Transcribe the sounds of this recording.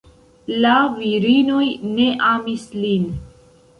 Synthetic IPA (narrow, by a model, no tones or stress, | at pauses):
laviɾinojneʔamislin